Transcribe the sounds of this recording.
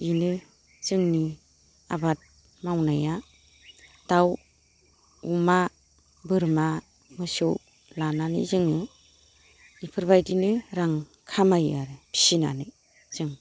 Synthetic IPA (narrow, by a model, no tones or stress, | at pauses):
inɯ | zɯŋni | a̰bat̚ | mawnaja | d̥aw | uma | bɯɾma | mɯsɯw | lananɯ̰zɯŋɯ | ipʰɯɾbajdinɯɾaŋ | kʰamajaɾɯpʰi̥sina̰nɯ | z̥ɯŋ